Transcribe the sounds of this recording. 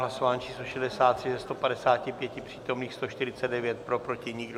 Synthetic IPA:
ɦlasovaːɲt͡ʃʰiːsloʃɛdɛsaːt̪ːr̝̥ɪzɛst̪o̞padɛsaːcɪpjɛcɪpr̥iːt̪o̞mniːxst̪o̞ʃt̪ɪɾɪt͡sɛddɛvjɛt̪̚pɾo̞pɾo̞cɪɲɪɡd

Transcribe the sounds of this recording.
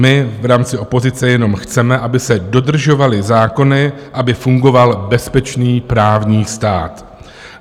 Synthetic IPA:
mɪvɾaːmt͡sɪʔo̞po̞zɪt͡sɛjɛno̞mxt͡sɛmɛʔabɪsɛdo̞d̪r̩ʒo̞valɪzaːko̞nɪʔabɪfuŋɡo̞valbɛspɛt͡ʃniːpɾaːvɲiːst̪aːt̪

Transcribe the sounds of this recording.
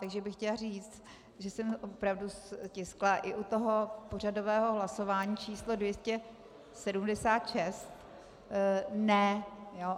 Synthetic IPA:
t̪aɡʒɛbɪxcɛlariːt͡st̪ | ʒɛsɛmopɾavduscɪsklaʔɪʔut̪o̞ɦo̞po̞r̝ado̞vɛːɦo̞ɦlaso̞vaːɲiːt͡ʃiːslodvjɛscɛ | sɛdumdɛsaːt̪ʃɛst̪ | nɛjo

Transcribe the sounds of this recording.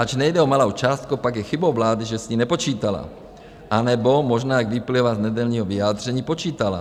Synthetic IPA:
ʔad͡ʒnɛjdɛomalowt͡ʃaːst̪̚kopaɡjɛxɪbowvlaːdɪʒɛsɲiːmnɛpo̞t͡ʃiːt̪ala̰ | ʔanɛbo̞moʒnaːɡviplivaznɛdɛlɲiːɦovɪjaːd̪r̝ɛɲiːpot͡ʃiːt̪ala̰

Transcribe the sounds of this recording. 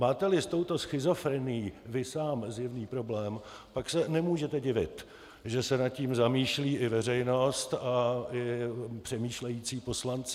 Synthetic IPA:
maːt̪ɛlɪst̪o̞wt̪o̞sxɪzofɾɛnɪjiːvɪsaːmzjɛvniːpɾo̞blɛːm | paksɛnɛmuːʒɛt̪ɛɟɪvɪt̪ | ʒɛsɛnat̪̚ciːmzamiːʃliːʔɪvɛr̝ɛjno̞st̪aɪpr̝̥ɛmiːʃlɛjiːt͡siːpo̞slant͡sɪ

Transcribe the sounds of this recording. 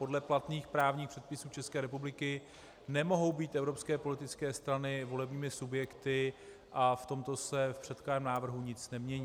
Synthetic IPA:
po̞dlɛplat̪niːxpɾaːvɲiːxpr̥ɛt̪̚pɪsuːt͡ʃɛskɛːɾɛpublɪkɪ | nɛmo̞ɦo̞wbiːt̪ʔɛvɾo̞pskɛːpo̞lɪt̪ɪt͡skɛːst̪ɾanɪvo̞lɛbɲiːmɪsubjɛkt̪ɪ | ʔaft̪o̞mt̪o̞sɛfpr̥ɛt̪kanɛːmnaːvr̩ɦuɲɪt͡snɛmɲɛɲi

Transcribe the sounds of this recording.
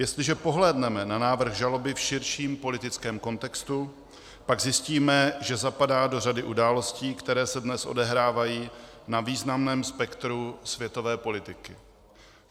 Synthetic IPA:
jɛst̪lɪʒɛpo̞ɦlɛːdnɛmɛnanaːvr̩ɣʒalo̞bɪfʃɪɾʃiːmpo̞lɪt̪ɪt͡skɛːmko̞nt̪ɛkst̪u | paɡzjɪsciːmɛʒɛzapadaːdoradɪʔudaːlo̞sciːkt̪ɛɾɛːsɛdnɛsʔo̞dɛɦɾaːvajiːnaviːznamnɛːmspɛkt̪ɾusvjɛt̪o̞vɛːpo̞lɪt̪ɪkɪ

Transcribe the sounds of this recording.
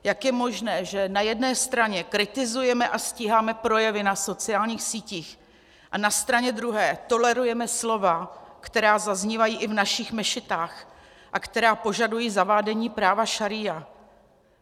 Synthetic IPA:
jakjɛmo̞ʒnɛːʒɛnajɛdnɛːst̪ɾaɲɛkɾɪt̪ɪzujɛmɛʔasciːɦaːmɛpɾo̞jɛvɪnaso̞t͡sɪaːlɲiːxsiːciːx | ʔanast̪ɾaɲɛd̪ɾuɦɛːt̪o̞lɛɾujɛmɛslo̞vakt̪ɛɾaːzazɲɪvajiːʔɪvnaʃɪxmɛʃɪt̪aːx | ʔakt̪ɛɾaːpo̞ʒadujiːzavaːdɛɲiːpɾaːvaʃaɾia

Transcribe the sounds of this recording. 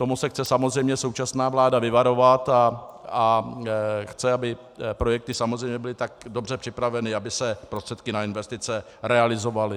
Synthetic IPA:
t̪o̞musɛxt͡sɛsamozr̝ɛjmɲɛso̞wt͡ʃasnaːvlaːdavɪvaɾo̞vat̪aa | xt͡sɛabɪ | pɾo̞jɛk̚t̪ɪsamozrɛjmɲɛbɪlɪt̪akdo̞br̝ɛpr̝̥ɪpɾavɛnɪabɪsɛpɾost̪r̥ɛt̪̚kɪnaɪnvɛst̪ɪt͡sɛ | ɾɛalɪzo̞valɪ

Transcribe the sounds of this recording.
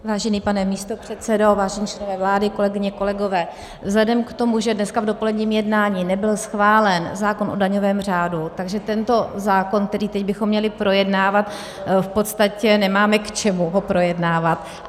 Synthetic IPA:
vaːʒɛniːpanɛmiːst̪o̞pr̥ɛt̪sɛdo̞vaːʒɛɲiːt͡ʃlɛnovɛːvlaːdɪko̞lɛɡɪɲɛko̞lɛɡo̞vɛː | vzlɛdɛmkt̪o̞muʒɛdnɛskavdo̞po̞lɛdɲiːmjɛdnaːɲinɛbɪlsxvaːlɛnzaːko̞nʔo̰daɲo̞vɛːmr̝aːdut̪aɡʒɛt̪ɛnt̪o̞zaːko̞nk̚t̪ɛɾiːt̪ɛɟbɪxomːɲɛlɪpɾo̞jɛdnaːvat̪ | fpo̞t̪st̪acɛnɛmaːmɛkt͡ʃɛmuɦo̞pɾo̞jɛdnaːvat̪

